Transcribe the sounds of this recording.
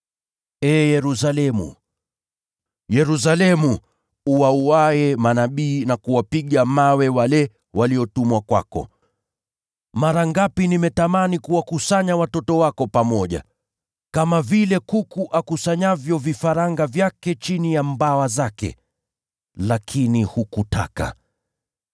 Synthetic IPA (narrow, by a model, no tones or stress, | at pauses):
ɛːjɛɾus̬alɛmṵ | jɛɾus̬alɛmu | uwauwaɛmanaɓiːnakuwapiɠamawɛwalɛ | wʔaliɔtumwakwa̰kɔ̰ | maɾaŋɡapinimɛtamanikuwakusaɲawatɔtɔwakɔpamɔʄa̰ | kamavilɛkukuʔakusaɲavjɔvifaɾaŋɡavjakɛt͡ʃinijambawazakɛ̰ | lakʰinihukuta̰ka̰